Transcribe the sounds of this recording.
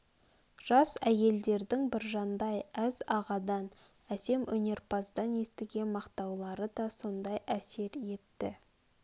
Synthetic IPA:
ʒ̥ɑsæje̞ld̪e̞ɾd̪ɪŋbɪɾʒɑnd̪ɑjæzɑʁɑd̪ɑn | æse̞mʔɵne̞ɾpʰɑzd̪ɑnje̞st̪ɪɡʲe̞nmɑqt̪ɑwlˠɑɾəd̪ɑso̞nd̪ɑjæse̞ɾje̞t̪ːɪ̰

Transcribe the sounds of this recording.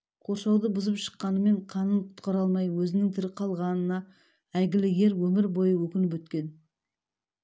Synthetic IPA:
qʰo̞ɾʃɑwd̪əbʊzəpʃə̥qːɑnəme̞ɴqʰɑnənqʰʊ̥t̪qɑɾɑlˠmɑjwɵzɪnɪŋt̪ʰɪɾɪqʰɑlˠʁɑnənɑ | æɡʲɪlɪje̞ɾwɵmɪɾbo̞jəwɵkʲɪnɪp̬wɵt̪kʲe̞n

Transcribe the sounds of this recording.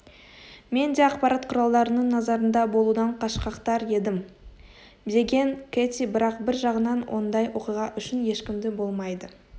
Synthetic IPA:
me̞nd̪eɑqpɑɾɑt̪qʰʊɾɑlˠd̪ɑɾənəɴnɑzɑɾənd̪ɑbo̞lˠud̪ɑɴqʰɑʃqɑqt̪ɑɾe̞d̪ɪm | d̪e̞ɡʲe̞ŋkʰʲet̪ʲibɪɾɑqbɪɾʒɑʁənɑnwʔo̞̰nd̪ɑjwʔo̞qijʁɑʔʏʃɪnje̞ʃkʲɪmd̪ɪbo̞lˠmɑjd̪ə

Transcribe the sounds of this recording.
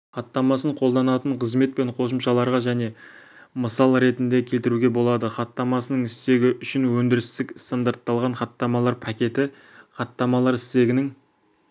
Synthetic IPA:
χɑt̪ːɑmɑsəɴqʰo̞lˠd̪ɑnɑt̪əɴqʰəzme̞t̪̚pe̞ɴqʰo̞s̬əmʃɑlˠɑɾʁɑʒæne̞ | məsɑlˠɾe̞t̪ɪnd̪e̞kʲʰe̞lt̪ɪɾuɡʲe̞bo̞lˠɑd̪əχɑt̪ːɑmɑsənəɴɪst̪e̞ɡʲɪʔʏʃɪnwɵnd̪ɪɾɪst̪ɪkst̪and̪aɾt̪ːɑlˠʁɑɴχɑt̪ːɑmɑlˠɑɾpʰɑkʲe̞t̪ɪ | χɑt̪ːɑmɑlˠɑɾɪst̪e̞ɡʲɪnɪŋ

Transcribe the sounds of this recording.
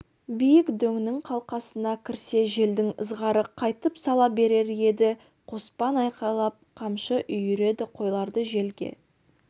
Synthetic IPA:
bijɪkd̪ɵŋnɪŋqʰɑlˠqɑsənɑkʲʰɪɾse̞ʒe̞ld̪ɪŋə̰zʁɑɾəqʰɑjt̪əpsɑlˠɑbe̞ɾe̞ɾje̞d̪ɪ | qʰo̞spɑnɑjqɑlˠɑp̚qʰɑmʃəʔʏjʏɾe̞d̪ɪqʰo̞jlˠɑɾd̪əʒe̞lɡʲe̞̰

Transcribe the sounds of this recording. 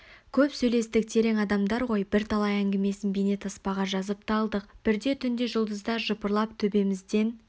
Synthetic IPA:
kʲʰɵpsɵjle̞st̪ɪk̚t̪ʰe̞ɾe̞ŋɑd̪ɑmd̪ɑɾʁo̞jbɪɾt̪ʰɑlˠɑjæŋɡʲɪme̞sɪnbejne̞t̪ʰɑspɑʁɑʒɑzəp̚t̪ʰɑlˠd̪əqb̥ɪɾd̪e̞t̪ʰʏnd̪e̞ʒʊlˠd̪əzd̪ɑɾʒʊpəɾlˠɑpt̪ʰɵbe̞mɪzd̪e̞n

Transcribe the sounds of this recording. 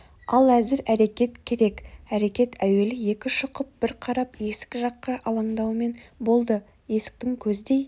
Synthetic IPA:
ɑlˠæzɪɾæɾe̞kʲe̞t̪kʲʰe̞ɾe̞kæɾe̞kʲe̞t̪ʰæwe̞lɪje̞kʲɪʃʊqəp̚b̥ɪɾqʰɑɾɑpje̞sɪ̥kʲɪʒɑqːɑʔɑlˠɑɴd̪ɑwme̞nbo̞lˠd̪ə | je̞sɪ̥k̚t̪ɪŋkʲʰɵzɪd̪e̞j

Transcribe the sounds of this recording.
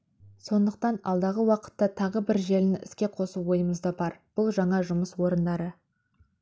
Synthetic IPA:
so̞nd̪əq̚t̪ɑnɑ̰lˠd̪ɑʁəwɑqə̥t̪ːɑt̪ʰɑʁəbɪɾʒe̞lɪnɪɪ̰skʲe̞qʰo̞suwo̞jəməzd̪ɑbɑɾb̥ʊlˠʒɑɴɑʒʊməswo̞ɾənd̪ɑɾə

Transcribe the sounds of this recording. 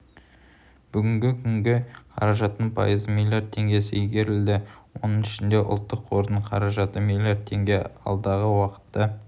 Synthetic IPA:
b̥ʏɡʲɪŋɡʲɪkʲʰʏŋɡʲɪqʰɑ̰ɾɑʒɑt̪ːənpʰɑ̰jəzmilʲjard̪ʰe̞ŋɡʲe̞sɪɡʲe̞ɾɪld̪ɪwo̞̰nəɴɪʃɪnd̪e̞ʔʊ̰lˠt̪ːəqʰːo̞ɾnəɴqʰɑɾɑʒɑt̪əmilʲjard̪ʰe̞ŋɡʲe̞ɑ̰lˠd̪ɑʁəwɑqə̥t̪ːɑ

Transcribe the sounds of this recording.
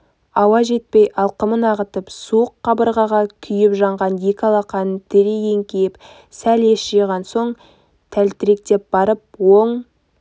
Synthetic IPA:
ɑwɑʒe̞t̪̚pejʔɑlˠqəmənɑʁət̪əpsuəqʰːɑbəɾʁɑʁɑkʲʰʏjɪpʒɑɴʁɑnje̞kʲɑlˠɑqɑnət̪ʰɪɾeje̞ŋkʲʰejɪp | sæle̞ʃʒejʁɑnso̞ɴ | t̪ʰælt̪ɪɾe̞k̚t̪e̞p̚b̥ɑɾəp̚woɴ

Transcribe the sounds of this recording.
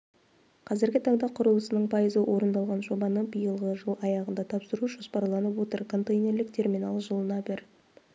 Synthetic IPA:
qʰɑzɪɾɡʲɪt̪ʰɑɴd̪ɑqʰʊɾəlˠəsənəɴpʰɑjəzəwʔo̞ɾənd̪ɑlˠʁɑnʒo̞bɑnəbəjəlˠʁəʒəlˠɑjɑʁənd̪ɑt̪ʰɑpsəɾuʒospɑɾlˠɑnəpwo̞t̪əɾkʰo̞nt̪ejnʲe̞rlɪk̚t̪ʰe̞rmijnalˠʒəlˠənɑbɪɾ

